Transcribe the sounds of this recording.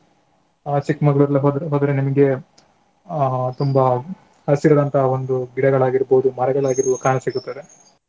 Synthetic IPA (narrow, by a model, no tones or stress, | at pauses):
aːt͡ʃikmɐɡɐɭuɾɐlɦd̪ɦoːd̪ɐɾenimɐɡe̞ | t̪umbɐ | hɐsiɾɐd̪ɐnt̪ʰɐɦɐo̞nd̪uɡiɽɐɡɐɭaːɡiɾboːud̪umɐɾɐɡɐɭaːɡiɾuʋukaːɳɐsiɡut̪ːɐd̪e̞